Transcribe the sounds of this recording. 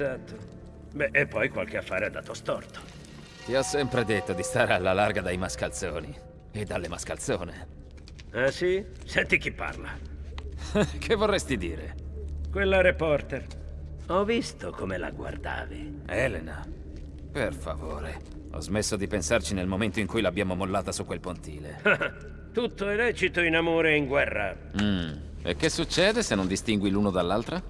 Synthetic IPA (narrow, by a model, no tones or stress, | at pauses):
ezat̪ːo | bɛʔepːɔjkwalk̟eafːaːɾead̪a̰ːt̪ost̪ɔrt̪o̥ | t̪iɔsːɛmpɾed̪et̪ːod̪ist̪aːɾealːalarɡad̪ajmaskalt̪soːni | ed̪ːalːemaskalt̪soːne | ɛsisɛnt̪ik̟ipːa̰rla | kʰevːorːɛst̪id̪iːɾḛkwelːaɾepɔrt̪er | ɔvist̪okomela̰ɡwa̰rd̪a̰ːvi | ɛlena | perfavo̰ːɾe | ɔ̰zmesːod̪ipensart͡ʃinelmoment̪oiŋkujlabːjaːmomolːaːt̪asukːwelpont̪ḭːle | t̪ut̪ːoɛlɛːt͡ʃit̪oinamoːɾeiŋɡwɛrːa | m̩ | ḛk̟ːesːut͡ʃːɛːd̪esenːond̪ist̪iŋɡwiluːnod̪alːalt̪ɾa